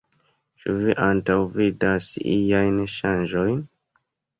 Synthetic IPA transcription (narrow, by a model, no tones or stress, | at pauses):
t͡ʃuviʔantawvidasijajnʃand͡ʒojn